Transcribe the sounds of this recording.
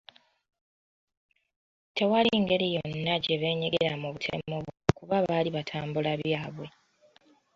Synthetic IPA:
te̞waliŋɡe̞ɾijo̞nːaɟe̞βe̞ːɲeɡeɾamuβutʰe̞̰moβokuβaβaliβatʰaːmbulaβjaːβwe̞

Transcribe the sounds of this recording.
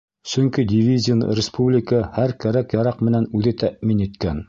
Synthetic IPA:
sɵ̆ŋkid̪ʲɪvʲizʲɪn̰ɾʲɪspublʲɪkəhæɾkæɾækjɑɾæqmɘ̆nænʉðɘt̪æʔminit̪kæn

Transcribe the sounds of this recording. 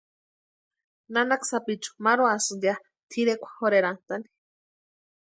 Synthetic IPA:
nanaksapit͡ʃu̥maɾoasɨja | t̪ʰiɾekʷḁhoɾeɾant̪ani̥

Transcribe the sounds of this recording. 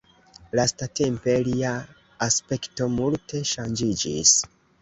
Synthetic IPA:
lastate̞mpe̞liaː | spe̞kto̞multʰe̞ʃand͡ʒid͡ʒḭs

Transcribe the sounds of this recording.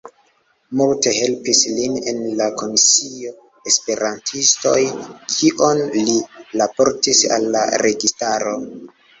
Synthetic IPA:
multe̞ɦe̞lpisline̞nlako̞misio̞ | espe̞ɾantʰisto̞̰jkʰiʔonlilapo̞ɾtisa̰lːa̰ɾe̞ɡistaɾo̞

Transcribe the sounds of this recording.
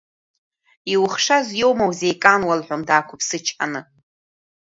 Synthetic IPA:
iwχʂazʷjowmawzejkʼanwalħʷomdaːkʷʰʊpʰsɨt͡ʃʰʼħa̰nɨ

